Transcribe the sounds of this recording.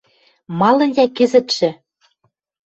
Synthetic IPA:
mɑlɤ̆njækɘ̆zɘ̆t̪ʃɘ̆

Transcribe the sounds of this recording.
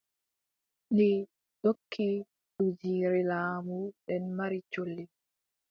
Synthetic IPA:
ni | ɗokʰːi | ɗud͡ʒiːɾilaːmuɗɛnmaɾit͡ʃolːi

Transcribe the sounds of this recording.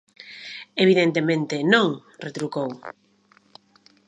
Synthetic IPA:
eβiðent̪emẽnt̪ɪnõŋ | ret̪ɾukow

